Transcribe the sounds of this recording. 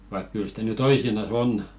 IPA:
ʋɑik kyl sitæ ny toisinɑs on

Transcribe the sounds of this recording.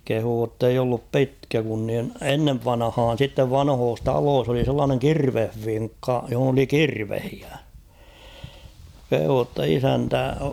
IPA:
kehuː tːeij olːup pitkæ kun nin enːeʋ ʋɑnɑ̆hɑːn̞ sitːeʋ ʋɑnhoːs tɑloːs oli selːɑːneŋ kirʋehʋiŋkːɑ johŏn oli kirʋehiæ kehuː tːɑ isæntæ

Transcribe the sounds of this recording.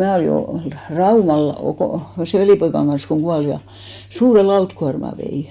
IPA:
mæː oliˑ ol rɑumɑl okoˑ seˑ ʋeliˑpoikɑn ɡ̊ɑn̞s koŋ ɡ̊uɑl jɑ suːre lɑutkuɑrmɑ ʋei

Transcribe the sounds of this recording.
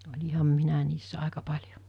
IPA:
olʲihɑm minæ niːsːæ ɑˑekɑ pɑlʲjo

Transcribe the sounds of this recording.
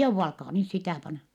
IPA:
jouʋːɑ ɑlkɑː nys sitæˑ pɑnɑ

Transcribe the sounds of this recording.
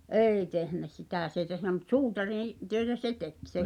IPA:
ʔeˑi tehnæ sitæˑ s ei tehnæ mut suːtɑrĩː tøetæ se tek se

